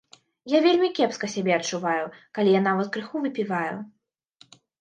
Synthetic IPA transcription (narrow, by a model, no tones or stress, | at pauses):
javʲelʲmʲikʲɛpskɐsʲabʲɛɐt͡ʂːuvajukalʲijanavɐt̪̚kɾɨxuvɨpʲivajṵ